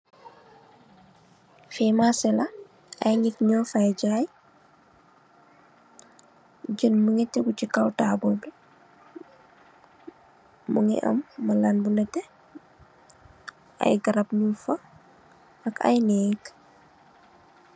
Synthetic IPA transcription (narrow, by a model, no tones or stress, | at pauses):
fɛmasɛlɐ | ɐjɲikɲɔfajɟaːj | ɟənmuŋɛtɛɡucikawtaːbɔlbi | muŋɛ̰ʔɐ̰mːɐlanbunɐtɛ | ʔɐ̰jɡɐɾɐpɲufɐ | ɐka̰jnɛk